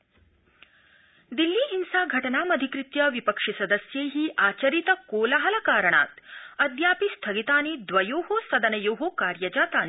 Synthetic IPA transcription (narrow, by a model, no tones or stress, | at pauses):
d̪ilːiːɦinsaːɡʱɐʈɐnaːmɐd̪ʱikɾɪt̪jɐʋipɐkʂisɐd̪ɐsjeːɦiʔaːt͡ʃɐɾit̪ɐkoːlaɦɐlɐkaːɾɐɳa̰ːt̪ɐd̪jaːpist̪ʰɐɡit̪aːnid̪ʋɐjoːɦosɐd̪ɐnɐjoːɦokaːɾjɐd͡ʒaːt̪aːni